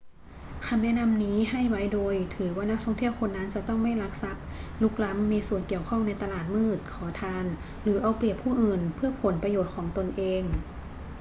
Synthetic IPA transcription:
kʰa˧mnɛ˦˥˨na˧mniː˦˥ɦa˥˩jwa˦˥jdoː˧jt̪ʰɯː˩˦waː˧˥˩na˦˥k̚t̪ʰɔ˥˩ŋt̪ʰi˥˩əwkʰo˧nːa˦˥nt͡ɕa˨˧˩t̪ɔ˥˩ŋma˥˩jla˦˥k̚sa˧˦˥p̚lu˦˥k̚la˦˥mːiː˧su˨˩ənki˨˩əwkʰɔ˥˩ŋna˧jt̪a˧laː˨˩t̪̚mɯː˥˩t̪̚kʰɔː˩˦t̪ʰaː˧n | lɯː˩˦ʔa˧wpli˨˩əpʰːuː˥˩ʔɯː˨˩npʰɯ˥˩ɐpʰo˩˦npɾa˧joː˨˩t̪̚kʰɔː˩˦ŋt̪o˧nʔeː˧ŋ

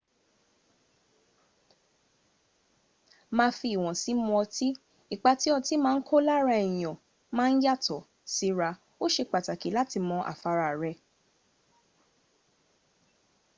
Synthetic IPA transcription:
mãː˧fi˧i˨w̃ɔ̃˨si˨˦mɔ̃˧ɔ˧ti˦ | i˨k͡pa˧ti˨˦ɔ˧ti˨˦mãː˦n̩˦kʰo˦la˦ɾa˧i˨j̃ɔ̃˨ | mãː˦˧n̩˦ja˦˨tɔ˨ | si˨˦ɾa˧ | o˦ʃe˧k͡pa˨ta˨ki˨˦la˦ti˧mɔ̃˧ʔa̰˨fa˨˧ɾa˧˨ɾɛ˧

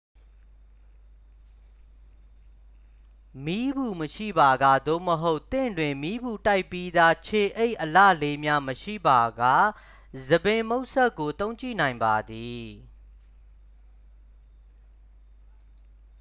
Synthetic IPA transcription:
mi˦bu˨məʃḭ˦˨ba˨ɡa˨d̪o̰˦˨məɦo˦ʊt̪ɪ̰̃˦˨ndwɪ̃˨mi˦bu˨ta˦ɪpːi˦d̪a˦t͡ɕʰe˨ʔe˦ɪʔəlä̰˦˨le˦mja˦məʃḭ˦˨ba˨ɡa˦˨ | zə˨bɪ̃˨mo˦ʊʔsɛ˦kːo˨t̪õ˦ʊ̃ɲt͡ɕḭ˦˨nã˨ɪ̃mba˨d̪i˨

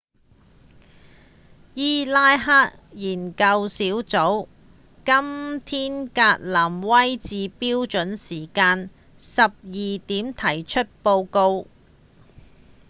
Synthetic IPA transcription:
jiː˥laː˥jɦaː˥t̚jiː˨˩nkɐ˧wsiː˨˥wt͡so˨˥w | kɐ˥mt̪ʰiː˥nkaː˧t̚laː˨˩mwɐ˥jt͡siː˨˧piː˥wt͡ʃɵ˨˥nsiː˨˩kaː˧n | sɐ˨p̚jiː˨t̪iː˨˥mt̪ʰɐ˨˩jt͡ʃʰɵ˥t̚po˧wko˧w

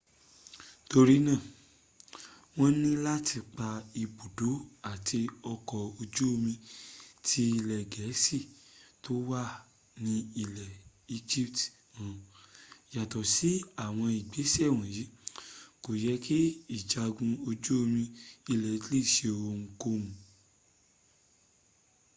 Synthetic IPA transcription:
to˧ɾi˦nãː˦˨ | w̃ɔ̃˦nĩ˦la˦tʰi˧k͡pa˧i˧bo˨do˨˦a˦˨tʰi˧ɔ˧kɔ˨o˧d͡ʒu˦o˧mĩ˧tʰi˧˦i˧lɛ˨ɡɛ˨˦si˦˨to˦wa˦˨ | nĩ˧i˧lɛ˨ | i˧˦d͡ʒi˦pt | ã˨ | ja˨tɔ˨si˨˦a˦˨w̃ɔ̃˧i˨ɡ͡be˨˦sɛ˦˨w̃ɔ̃˨ji˨˦ko˨jɛ˨˦ke˦i˦˨d͡ʒa˧ɡũ˧o˧d͡ʒo˦o˧mĩ˧i˧lɛ˨˦tle˦˨ʃe˧o˨o˧ŋ̩˧ko˧mũ˨

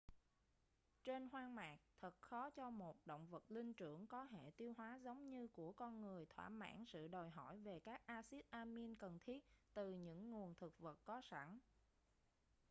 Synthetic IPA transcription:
t͡ɕe˧nɦwaː˧ŋmaː˨˩k̚t̪ʰə˨˩t̚xɔ˨˦t͡ɕɔ˧mo˨˩t̚ɗo̰˧˨wŋ͡mvə˨˩t̚lï˧ŋt͡ɕɨ˧˩əŋkɔ˨˦ɦḛ˧˩˨t̪i˧əwɦwaː˨˦zə˨˦wŋ͡mɲɨ˧ku˧˩əkɔ˧nŋɨ˨˩əjt̪ʰwa̰ː˧˩ma̰ː˧˥nsɨ̰˧˨ɗo˨˩jɦɔ˧˩jve˨˩kaː˦˥k̚ʔaː˧si˦˥ət̚ʔaː˧mi˧nkə˨˩nt̪ʰi˦˥ət̚t̪ɨ˨˩ɲɨ̰˧˥ŋːu˨˩ənt̪ʰɨ˨˩k̚və˨˩t̚kɔ˨˦sa˧˩n

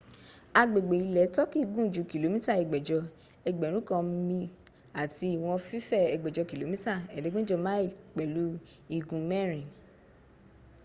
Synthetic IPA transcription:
a˧ɡ͡be˨ɡ͡be˨i˨˧lɛ˨˦tɔ˦ki˦˧ɡũ˦˨d͡ʒu˨˦ki˨lo˨˦mĩ˦ta˦˨ɛ˨ɡ͡bɛ˨d͡ʒɔ˧ | ɛ˧˨ɡ͡bɛ˨ɾ̃ũ˨˦kã˧˦mĩ˧ | a˨ti˧˦i˨w̃ɔ̃˧fi˦fɛ˦˨ɛ˨ɡ͡bɛ˨d͡ʒɔ˧ki˨lo˨mĩ˦ta˦˨ɛ˨de˨˦ɡ͡bĩ˦d͡ʒɔ˧mã˦i˦˨k͡pɛ˨lu˨˦i˧ɡũ˧mɛ̃˦˨ɾ̃ĩ˨

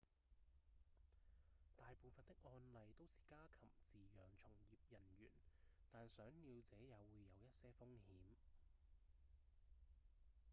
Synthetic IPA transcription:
t̪aː˨jpoː˨˩wfɐ˨nt̪ɪ˥k̚ŋɔː˧nlɐ˨jt̪o˥wsiː˨kaː˥kʰɐ˨˩mt͡siː˨jœː˨ŋt͡sʰʊ˨˩ŋjiː˨p̚jɐ˨˩nɥy̰ː˨˩nt̪aː˨nsœː˨˥ŋniː˧wt͡sɛː˨˥jɐ˨˧wːuː˨˧jːɐ˨˧wjɐ˥t̚sɛː˥fʊ˥ŋhiː˨˥m

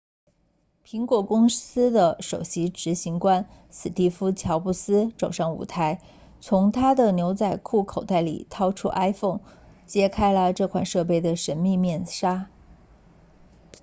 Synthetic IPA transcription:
pʰi˧˥ŋkwɔ˨˩kʊ˥ŋsɹ̩˥d̪ə˨ʂo˨˩ʊɕi˧˥ʈ͡ʂɻ̩˧˥ɕi˧˥ŋkwa˥n | sɹ̩˨˩t̪i˥˩fu˥t͡ɕʰjɑ˧˥ʊpu˥˩sɹ̩˥ʈ͡ʂo˨˩ʊʂɑ˥˩ŋṵ˨˩t̪ʰa˧˥ɪ | t͡sʰʊ˧˥ŋt̪ʰa˥d̪ə˨njo˧˥ʊt͡sa˥˧ɪkʰu˥˩kʰo˨˩ʊt̪a˥˩ɪlḭ˨˩t̪ʰɑ˥ʊʈ͡ʂʰṵ˥ʔa˥ɪfʊ˥˩ŋ | t͡ɕjɛ˥kʰa˥ɪlə˨ʈ͡ʂɤ˥˩kʰwa̰˨˩nʂɤ˥˧p̬e˥˩ɪd̪ə˩ʂə˧˥nmi˥˧mjɛ˥˩nʂa˥

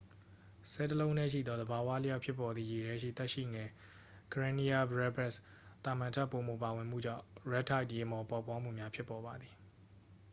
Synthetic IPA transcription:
sɛ˦˨təlõ˦ʊ̃nɛ̰˦˨ʃ̬ḭ˦˨d̪ɔ˦d̪əba˨wa̰˦lə˦ja˦ʊpʰjɪ˦pːɔ˨d̪ði˨je˨ɾɛ˦ʃ̬ḭ˦˨t̪ɛ˦ʔʃḭ˦˨ŋɛ˨ | kʰə˨ɹã˦ni˦ja˦bɹɛ˦bɛ˦˨s | t̪a˨mã˨ntʰa˦pːo˨mo̰˨pa˨wɪ̃˨m̥ṵ˦˨d͡ʑã̰˦˨ɹɛ˦tʰa˦ɪtje˨mɔ˨pa˦ʊpːwa˦m̥ṵ˦˨mja˦pʰjɪ˦pːɔ˨βa˨d̪ði˨

